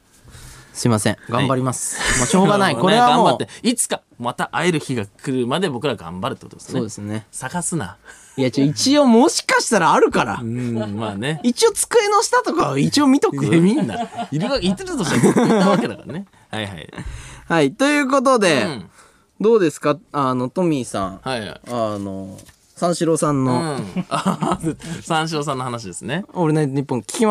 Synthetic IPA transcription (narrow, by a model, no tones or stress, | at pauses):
sɨimasẽŋɡãmbaɾʲimasɨ̥mooːɡanaikoɾeβaɡãobat̪ːeit͡sɨ̥ka | mat̪aʔae̞ɾɯ̟çiɡakʰɯ̟ɾɯ̟mad̪e̞bo̞kɯ̟ɾaɡã̰mbaɾɯt̪ekotod̪essned̪esnesaɡasɨna̰ | jait͡ɕio̞mo̞ɕi̥kaɕi̥t̪aɾaːɾɯ̟kaɾa̰ɯ̃maːne̞it͡ɕio̞t͡sɨ̥kɯ̟e̞noɕi̥t̪at̪o̞kait͡ɕio̞mʲit̪o̞kɯmʲĩnːa̰iɾɯɡait̪ːeɾt̪oaβaed̪aka̰ɾane̞ | haiha̰ḭhait̪o̞jɯ̟ːko̞t̪̬o̞d̪e̞ | d̪o̞ːd̪e̞sɨ̥kaano̞t̪o̞mʲisã̰ɴhaia̰ano̰ | sãɰ̃ɕiɾo̞sãnːo̞a | sãɰ̃ɕ̬iɾo̞s̬ãnːohanaɕ̬id̪e̞sɨneo̞ɾenaɲɲ̟ipːõŋkʲi̥kʲima